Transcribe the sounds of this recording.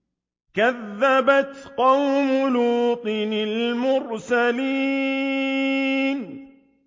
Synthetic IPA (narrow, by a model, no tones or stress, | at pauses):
kaðːabat̪qɑwmʊluːt̪ˤinɪlmʊɾsaliː | n